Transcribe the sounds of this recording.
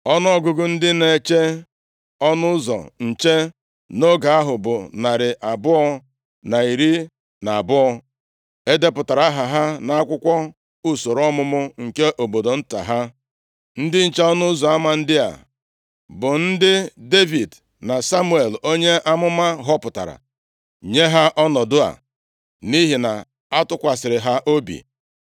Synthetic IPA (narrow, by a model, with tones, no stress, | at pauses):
ɔ˦n˦ɔ˦˨ɡʊ˨ɡʊ˨n̩˦dɪ˦ne˨t͡ʃe˦ | ɔ˦nʊ˦ʊ˦zɔ̰˨n̩˨t͡ʃe˦ | no˦ɡa˨a˦ɦʊ˨bʊ˨na˨ɾɪ˨ʔa˨bʊ˦ɔ˦ | na˨i˨ɾi˦ | na˨a˨bʊ˦ɔ˦ | e˦de˦pʊ˨ta˨ɾa˦ɦa˨ɦa˦na˨a˦kʷʊ˦kʷɔ˦ | u˦so˨ɾɔ˦mʊ˦mʊ˦ŋ̩˨ke˦ʔo˨bo˨do˨n̩˦ta̰˨ɦa˦ | n̩˦dɪ˦n̩˨t͡ʃa˦ɔ˦nʊ˦zɔ˨a˦ma˨n̩˦dɪ˦a̰˨ | bʊ˨n̩˦dɪ˦de˦vi˨d | na˨sa˦mu˦e˨lo˦ɲe˦ʔa˦mʊ˦ma˦ɦɔ˦pʊ˨ta̰˨ɾa̰˨ | ɲe˦ɦa˦ʔɔ˦nɔ˨dʊ˦a̰˨ | ni˦ɦi˨na˨ | a˦tʊ˦kʷa˨sɪ˨ɾɪ˨ɦa˦ʔo˦bḭ˨